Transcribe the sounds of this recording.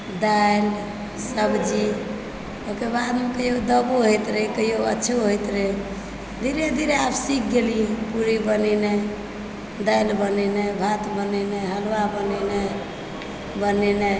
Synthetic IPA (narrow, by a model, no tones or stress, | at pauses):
d̪ajl | səbd͡ʒi | okebad̪mekəjod̪əbuɦojt̪ɾekəjoə̰tːʃʰoɦojt̪ɾe | d̪ʱiɾed̪ʱiɾeapsik̚ʰɡelipuɾibənɛne | d̪ajlbənɛnebʱat̪bənɛneɦəlwabənɛne | bənɛne